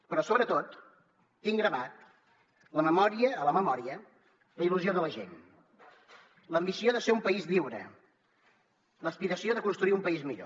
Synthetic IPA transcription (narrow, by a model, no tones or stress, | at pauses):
pɾɔsoβɾət̪ot̪ː | iŋɡɾəβat̪̚ | ləməmɔɾiəːləməmɔɾiə | ləiluzioðələʒḛn | ləmbisioðəseɾumpəizliwɾə̰ | ləspiɾəsioðəkunst̪ɾuiumpəizmiʎo̰